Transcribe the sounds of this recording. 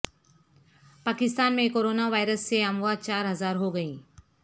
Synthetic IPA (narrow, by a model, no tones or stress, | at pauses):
paːkɪst̪aːnmẽkoːɾoːnaʋaːɪɾəsːeɐmʋaːd̪̚t͡ʃaːɾɦɐzaːɾɦoɡɐĩː